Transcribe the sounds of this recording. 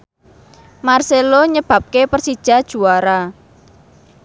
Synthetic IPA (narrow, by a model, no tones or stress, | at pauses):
marseloɲəb̥a̤p̚kepərsid̥ʒ̥a̤d̥ʒ̥ṳwaɾa